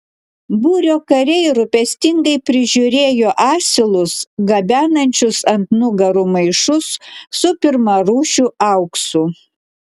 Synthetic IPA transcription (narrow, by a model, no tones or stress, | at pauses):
buːɾʲoːkɐɾʲɛɪɾʊpʲɛsʲt̪ʲɪŋɡɐɪpʲɾʲɪʒʲʊɾʲeːjoːʔɑːsʲɪlˠʊsɡɐbʲæːnɐnʲt͡ʃʲʊsɐnt̪nʊɡɐɾumɐɪʃʊsːʊpʲɪɾmɐɾuːʃʲuːɐʊksuː